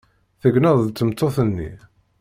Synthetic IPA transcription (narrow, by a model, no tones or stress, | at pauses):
θəɡnəðˤðt͡s̪ːəmt̪ːoθənːḭ